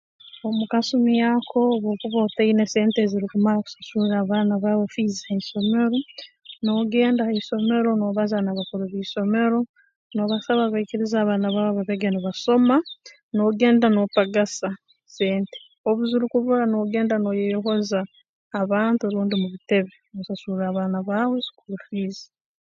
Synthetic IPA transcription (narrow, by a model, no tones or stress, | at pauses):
omukasumjaːkʰo̞ːβo̞ːkuβotainese̞ːnteziɾikumaɾaku̥sḁsuɾaβaːnaβaβofiːzahaiʃo̞me̞ɾo̞ | noɡe̞ːndaheiʃo̞me̞ɾo̞no̞ːβazanaβakuɾuβiːʃo̞me̞ɾo̞ | no̞ːβasaβaβaiciɾizaːβaːnaβaːβoβaβeɡeniβaso̞ma | noɡe̞ːndano̞paɡasa | se̞ːnte̥ | oβuziɾukuβuɾanoɡe̞ːndanojejoɦo̞zaː | βaːntuoɾuːndimuβite̞βenousasuɾaːβaːnaβaːweikuɾufiːzḁ